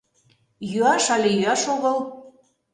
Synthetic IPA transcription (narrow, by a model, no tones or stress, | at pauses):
jyɑʃɑlʲejyɑʃoɣɤl